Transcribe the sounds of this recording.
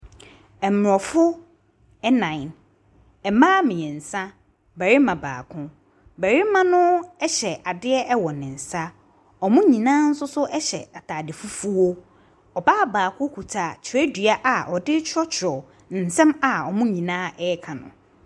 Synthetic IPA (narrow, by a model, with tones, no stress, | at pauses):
ɛ˨m˨ɔ˨fʊ˦ | ɛ˦nã˨ɪ̃˨n | ɛ˨mãː˦mɪ̃˨ɛ˨n̩˨sã˦ | bæ˨ɾi˦mã˨ba̰ː˨kʰʊ̃˦ | bæ˨ɾi˦mã˦nʊ̃˦ɛ˦ɕɛ˨ʔa˨dɪ˦ɛ˦ɛ˦wɔ˨nɪ̃˨n̩˨sa˦ | ɔ˨mʊ̃˦ɲĩ˨nãː˦n̩˦sʊ˦sʊ˦ʔɛ˦ɕɛ̰˨a˨tʰaː˨dɪ˨fu˦fʊ˦wo˦ | ɔ˨ba˦˨baː˨kʰʊ̃˦kʰu˨tʰaː˨t͡ɕʰɪ˨ɛ˦dɥa˦ʔa˨ʔɔ˨dɪ˦t͡ɕʰɔ˦t͡ɕʰɪ˨ɾɔ˨ | n̩˨sɛ̃˦ma˨ɔ˨mʊ̃˦ɲĩ˨nãː˦ɛ˦kʰã˨nʊ̰̃˨